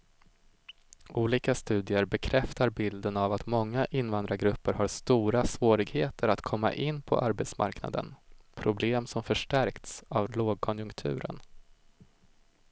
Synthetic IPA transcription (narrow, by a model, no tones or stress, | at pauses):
ʔuːliːkast̪ʉ̟ːd̪ɪəɾbɛkʰɾɛft̪aɾbɪld̪ənavat̪mɔŋːaʔɪnːvand̪ɾaɡɾɵpːəɾhaɾst̪uːɾasvoːɾɪɡheːt̪ʰəɾat̪kʰɔmːa̰ʔɪnːpʰɔ̰ʔaɾbɛt̪sma̰ɾkna̰d̪ə̰npʰɾʊbleːmsɔmfœʂʈæɾkt̪savloːɡ̚kʰɔnjɵŋkt̪ʰʉ̟ːɾə̰n